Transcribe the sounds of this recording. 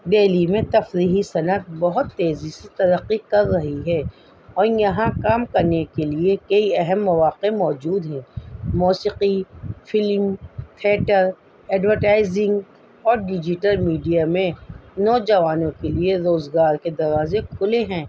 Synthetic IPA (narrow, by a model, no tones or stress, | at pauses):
ɖeːlimẽt̪ɐfɾiːɦisɐnət̪̚bɐɦʊt̪ːeːziset̪ɐɾəqːikɐɾːɐɦiɦɛː | ɔːɾjɐɦãkaːmkɐɾnekeliekɐiɛɦɛmːɐʋaːqemɔːd͡ʒuːd̪ɦɛ̃ːmuːsiqifɪlmt̪ʰeːʈəɾ | ɛːɖʋəɾʈaːɪzɪ̃ŋɡ | ɔːɾɖɪd͡ʒɪʈəlmiːɖijamẽnɔːd͡ʒɐʋaːnõkelieɾoːzɡaːɾked̪ɐɾʋaːzẽkʰʊleɦɛ̃ː